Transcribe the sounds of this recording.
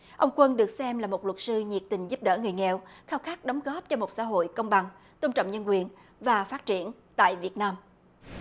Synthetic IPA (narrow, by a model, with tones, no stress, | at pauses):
ʔə˧wŋ͡mkwə˧nɗɨ˨˩ək̚sɛ˧mlaː˨˩mo˨˩t̚lwə˨˩t̚sɨ˧ɲi˨˩ək̚t̪ï˨˩ŋ̟zu˦˥p̚ɗəː˧˩ŋɨ˨˩əjŋɛ˨wxaː˧wxaː˦˥k̚ɗə˨˦wŋ͡mɣɔ˦˥p̚t͡ɕɔ˧mo˨˩t̚sa̰˧˥ɦo̰˧˨jkə˧wŋ͡mɓa˨˩ŋ | t̪o˧ŋ͡mt͡ɕə̰˧˨ŋ͡mɲə˧nkwi˨˩ən | vaː˨˩faː˦˥t̚t͡ɕi˧˩ən | t̪a̰ː˧˨jvi˨˩ət̚naː˧m